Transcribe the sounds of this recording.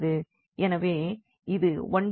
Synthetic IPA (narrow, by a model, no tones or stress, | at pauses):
ðɯ | ɛnɐʋeː | ɪðɯʋɐɳ